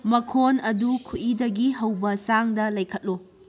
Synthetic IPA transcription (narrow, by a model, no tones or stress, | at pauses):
mɐkʰonɐdukʰuidɐɡiɦɐwbɐsaŋdɐlɐjkʰɐt̚lu